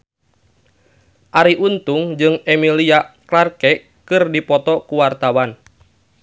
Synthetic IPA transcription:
ʔaɾiʔunt̪uŋd͡ʒɨŋɛmiliaklarkɛ | kɨrdipɔt̪ɔkuwart̪awan

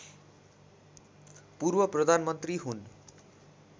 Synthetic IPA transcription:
purbʌprʌd̪ʱanmʌnt̪riɦun

